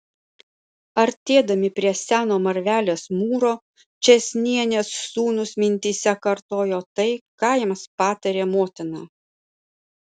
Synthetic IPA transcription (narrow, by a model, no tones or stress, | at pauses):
ɐɾʲt̪ʲeːd̪ɐmʲɪpʲɾʲiɛsʲæːnoːmɐɾʲʋʲæːlʲeːsmuːɾoː | t͡ʃʲɛsʲnʲiɛnʲɛsːuːnʊsmʲɪnʲt̪ʲiːsʲɛkɐɾt̪oːjoːt̪ɐɪkɑːjɪmspɑːt̪ɐɾʲeːmoːt̪ʲɪnɑː